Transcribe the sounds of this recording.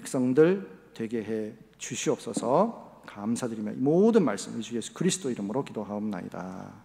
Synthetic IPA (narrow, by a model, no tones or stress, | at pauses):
pʰek̚s͈ʌŋdɯɭtwe̞ɡe̞ɦe̞ | t͡ɕuɕʰiʌp̚s͈ʌsʰʌ | kamsʰadɯɾimjʌ̰nʔimodɯnmaɭs͈ɯmid͡ʑuje̞sʰu̥kɯɾisʰɯ̥d͈oiɾɯmɯɾokidoɦaomna̰ɲḭda̰